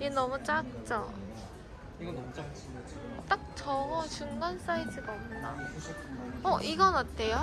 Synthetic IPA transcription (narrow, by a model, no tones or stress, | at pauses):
jenʌmut͡ɕ͈ak̚t͡ɕ͈ʌ | t͈ak̚t͡ɕʌŋʌt͡ɕuŋɡans͈aitʰɯɡaʌmnda | ʌʔiɡʌnʌt͈ʰːe̞jo